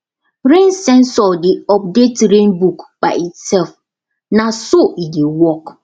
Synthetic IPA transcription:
ɾẽnsɛ̃nsɔdeɔp̚detɾẽnbukbaɪitsɛlf | nãsoʔidewɔk

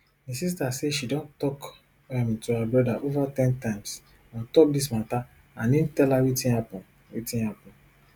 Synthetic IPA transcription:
mĩsis̬taseʃidõntɔk | amĩtuhabɹɔdaʔovatɛ̃ntãɪ̃ms | ãntɔk̚dis̬mata | ãnintɛlaɾitĩnhapɔ̃n | ɾitĩnhapɔ̃n

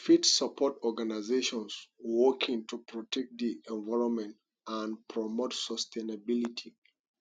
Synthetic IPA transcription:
fitsapʰɔtɔɡanaɪzeʃɔ̃nswɔkʰĩŋtupʰɹɔtʰɛk̚t̚d̪iʔɛ̃nvaɪɹɔ̃nmɛ̃nt | ãnpʰɹɔmotsɔstʰẽnabilitʰi

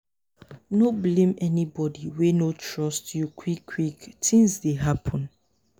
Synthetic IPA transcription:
noblẽmɛnibɔdiwenotʰɹɔstjukʰwikʰːwiktĩŋsdeɦapʰɔ̃n

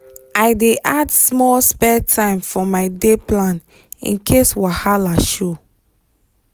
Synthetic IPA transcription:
aɪdeʔadsmɔlspɛtʰãɪ̃mfɔmaɪdeplãn | ḭ̃nkʰeswahalaʃu

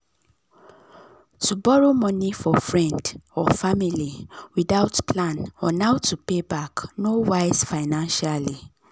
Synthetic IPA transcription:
tubɔɹomɔnifɔfɹɛ̃ndɔfamiliwidaʊtpʰlãnɔnaʊtupebaknowaɪsfaɪnãnʃali

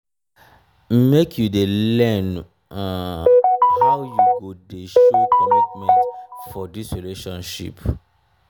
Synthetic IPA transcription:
mekʰjudelɛ̃n | hawjuɡodeʃuelɔpmɛɛ̃ntfɔdisɹileʃɔ̃nʃḭp

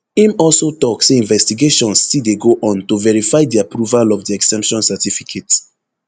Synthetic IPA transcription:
ĩmɔlsotɔkseĩnvɛstiɡeʃɔ̃nsːideɡoʔɔ̃ntovɛɹifaɪdiapɹuvalɔvdiɛksɛ̃mpʃɔ̃nsɛtifikʰet

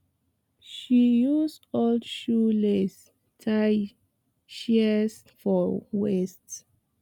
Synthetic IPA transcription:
ʃijusdoldʃules | tʰaj | ʃis | fɔwɛst

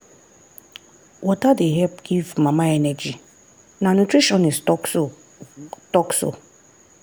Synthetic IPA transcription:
wʔɔtadeɦɛpɡ̥ivmãmãɛnɛd͡ʒi | nãnũtʰɾiʃɔ̃nɪ̃stɔkso | tɔkso̰

